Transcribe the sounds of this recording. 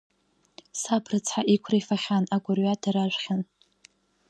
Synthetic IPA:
sabʰrɨt͡sʰħaʔikʷʰrafaχʲanaɡʷʼʊrɥadaɾaʒʷχʲan

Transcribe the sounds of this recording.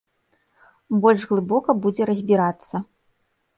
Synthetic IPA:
bɔlʲʐɣlˠɨbɔkɐbud͡zʲɛɾɐzʲbʲiɾat̪sːɐ

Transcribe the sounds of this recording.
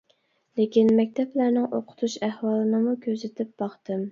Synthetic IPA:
lekʲinmɛkʲt̪ʰɛplæɾnɪŋʔoqʰʊ̥t̪ʰuʃæhwɑːlˠɨnɨmukʲʰøzɪt̪ʰɪp̚bɑχt̪ɨm

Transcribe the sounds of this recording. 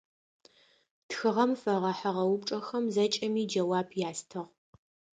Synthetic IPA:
txɨʁɐmfɐʁɐħɐʁɐwʊp̚ʈ͡ʂʼɐxɐmzɐt͡ʃʼɐmiːd͡ʒɐwaːbjaːstʰɨʁ

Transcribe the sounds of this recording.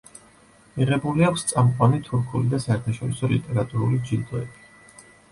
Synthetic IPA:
miʁɛbuliakʰst̪sʼamqʼwanit̪ʰuɾkʰulid̪asaɛɾt̪ʰaʃɔɾisɔlḭt̪ʼɛɾat̪ʼuɾṵlid͡ʒint̪ʼɔɛbi

